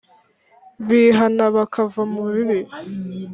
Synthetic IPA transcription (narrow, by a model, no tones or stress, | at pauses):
βiːɦanaβakʰavamuβiβi